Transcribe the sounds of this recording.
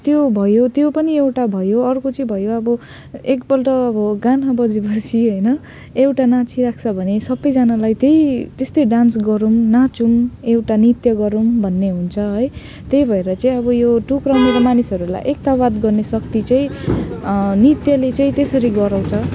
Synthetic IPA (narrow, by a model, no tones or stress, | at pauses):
t̪jobʱʌjot̪jopʌniewʈabʱʌjoʌrkot͡sʌĩbʱʌjoʌbʌ | ekbʌlʈʌʌbʌɡanɦabʌd͡zibʱʌsiɦʌjnʌ | ewʈanãt͡sʰiɾak̚ʰt͡sʰʌbʱʌnesʌbːʌjd͡zanalajt̪ejt̪est̪ʌjɖansɡʌɾumnat͡sumewʈanit̪jʌɡʌɾumbʱʌnːeɦunt͡sʰʌɦʌj | t̪ejbʱʌeɾʌt͡saĩʌbʌjoʈukrʌwmeɾʌmanisʌɾula̰jʔek̚t̪awad̪ɡʌrnesʌk̚t̪it͡saĩ | nit̪jʌlet͡saĩt̪esʌɾiɡʌɾãw̃t͡sʰʌ